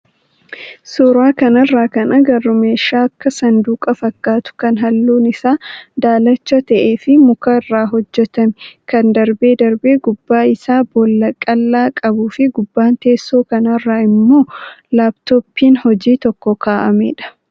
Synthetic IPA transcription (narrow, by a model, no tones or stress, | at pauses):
suːɾaːkɐnɐrːaːkɐnɐɡɐrːʊme̞ːʃaːɐkːɐsɐnd̪uːkʼɐfɐkːaːt̪ʊ̥kɐnɦɐlːuːnɪsaːd̪aːlɐt͡ʃːɐt̪ɐʔeːfɪmʊkɐrːaːɦɔd͡ʒːɛt̪ɐmɛkɐnd̪ɐɾbe̞ːd̪ɐɾbeːɡʊbːaːɪsaːbɔlːɐkʼɐlːaːkʼɐbuːfɪɡʊbːaːnt̪e̞ːsːoːkɐnɐrːaːɪmːo̞ːlaːbt̪oːpːiːnhɔd͡ʒiːt̪ɔkːɔkaːʔɐmɛ̰ːᶑɐ̥